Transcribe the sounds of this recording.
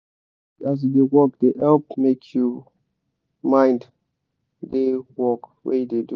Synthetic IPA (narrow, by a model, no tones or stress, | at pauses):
as̬dewɔkdehɛlpmekʰju | mãɪ̃nd | dewɔkwḛdedu